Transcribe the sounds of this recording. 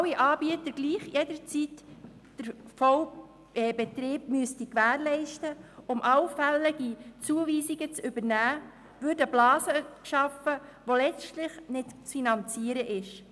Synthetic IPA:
wiʔɑːbiətəɾɡ̥liːχjɛdəɾt͡sit | d̥əɾfow | ɛbɛt̪ɾɪːb̥̚myəstikʋæːɾlɛɪʃtəʊmʔɑwfɛlːəɡit͡suəviːziɡət͡sʏbəɾnæː | ʋʏɾdəblɑːzəkʃɑfəʋolɛt͡stlɪχnɪtt͡sfinɑnt͡siəɾəʔɪʃ

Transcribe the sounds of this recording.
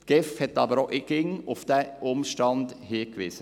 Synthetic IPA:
tɡ̥ɛfhɛt̪ːɑbəɾoʔɪɡ̥ɪŋʊfd̥̪æʊmʃtɑnd̪̥hiːkʋɪsə

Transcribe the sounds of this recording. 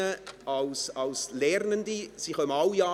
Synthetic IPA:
əɑlsɑlslɛɾnəndisiχœməɑljɑː

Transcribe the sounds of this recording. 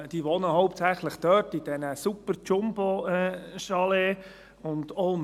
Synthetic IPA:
d̥iːʋɔnəhɔʊp̚tsæχləχd̥œtid̥ɛnəsupəɾt͡ʃʊmboɛʃɑle | ʊndom

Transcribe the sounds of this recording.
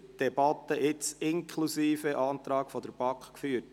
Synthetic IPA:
d̥ɛbɑt̪ːəʔɪt͡sɪŋkʰlusiːfəʔɑːnt̪ɾɑːkfɔd̪əɾb̥ɑkχkfyːt

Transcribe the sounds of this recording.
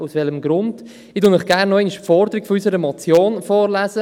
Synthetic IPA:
usʋɛləmɡɾʊnd̥ | ɪdʊnɪχɡ̥ærnːɔɛɪnɪʃfɔɾdəɾiɡ̥fɔysəɾəmɔt͡sjoːnfɔːɾlæːzə

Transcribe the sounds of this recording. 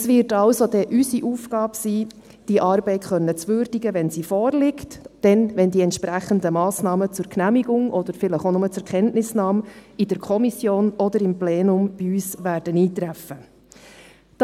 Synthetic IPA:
sʋɪːɾtɑwsod̥ɛʔysiʔuːfɡɑːpsiː | d̥iʔɑːɾbɛɪtχœnːət͡sʋʏːɾd̥iɡəʋɛnsifɔːrlɪktd̥ɛnʋɛndiɛntʃpɾæχəndəmɑːsnɑːmət͡sʊɾknæmiɡʊŋʔɔd̥̪əɾfɪləχonʊmət͡sɛɾkʰɛntnɪsnɑːmid̥əɾkʰɔmisjoːnɔd̪əɾɪmplɛːnʊmb̥iyːsʋæːrd̥əniːt̪ɾæfə | d̥

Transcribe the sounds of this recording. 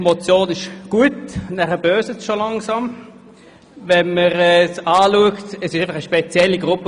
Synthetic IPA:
mot͡sjoːnɪʃɡ̥uətnæχəb̥øːsət͡sʃolɑŋsɑm | vɛnməʁɛːsaːluəktəsɪʃaɪfɑχəʃpɛt͡sjɛlːiɡʁʊpːə

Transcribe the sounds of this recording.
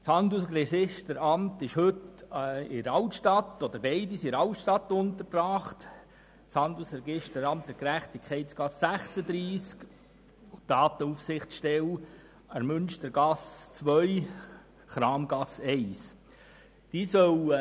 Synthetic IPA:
t͡sɑndusrɛɡɪʃtəɾɑmtɪʃhɵt | ɪɾɑwtʃtɑtod̥̪əɾbɛɪdisɪɾɑltʃtɑtʊnt̪əɾprɑːχt | t͡shɑndusɾɛɡɪʃtəɾɑmtəkɾæχt̪ikʰχɛɪtsɡ̥ɑsːæχsəd̪ɾiːsk | ʊd̥ɑːt̪əufsɪχtt͡sʃtɛw | əmʏnʃtəɾɡɑst͡sʋœʏ | χɾɑːmɡɑsɛɪs | d̥iːsœw

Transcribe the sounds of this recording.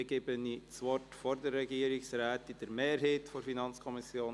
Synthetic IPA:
ɡ̥eːbənit͡sʋɔtfoɾdəːɛɡiːəɾɪksraːtɪd̥əɾmeːɾɦetfoɾfinɑnt͡skʰɔmɪsjoːn

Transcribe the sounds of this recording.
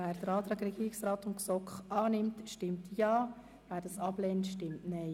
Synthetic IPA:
æːɾd̥̪əɾɑːt̪ɾɑːɡɾɛɡiːɾɪksɾɑːtʊnksɔkχɑːnɪmtʃtɪmtʰjɑː | væːɾd̥ɑsɑblɛːntʃtɪmtnɛɪ

